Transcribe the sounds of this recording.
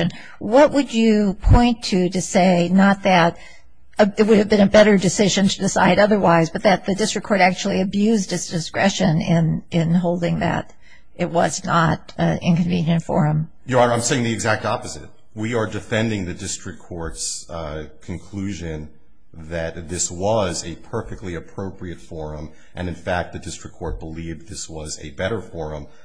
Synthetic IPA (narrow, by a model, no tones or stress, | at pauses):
ɨ̃n | wʌt̚wʔəd͡ʒɨpʰɔ̃ɪ̃ntʰɨɾɨseɪnət̪̚ðɨɾ | əəwʊɾɨvbɨ̃nɨbɛɾə˞dɨsɪʒɨ̃ntʰɨdɨsa̰ɪɾʌðə˞waɪzbʌt̪̚ðɨt̪̚ðɨdɪstɹ̥ɨkʰɔɹɾæk̚t͡ʃul̩ˠiɨbjʉzdɨtsd̥ɨskɹɛʃɨ̃nɪ̃nɪ̃nɦoʊlˠdɪ̃ŋðɨ̰ɾ | ʔɨt̚wʌ̰znəɾ | ɪ̰̃nkɨ̃ɱvĩnjɨ̃ntfə̰˞ɨ̃m | jɨãɪ̃mseɪɪ̃ŋðiɨɡzæk̚tɑpɨzɨ̰t̚ | wiə˞dɨfɛ̃ndɪ̃ŋðɨdɪstɹ̥ɨkʰːɔɹts | kʰɨ̃n̩kʰl̥ʉʒɨ̃n | ðɨt̪̚ðɪswʌzɨpʰɜ˞fɨk̚tˡliɨpʰɹ̥oʊpɹiɨtfɔɹɨ̃m | ʔɨ̰̃nɨ̃nfæk̚t̪̚ðɨdɪstɹ̥ɨkʰːɔɹt̚b̥əlivðɪswʌzɨ̰bɛɾə˞fɔɹɨ̃m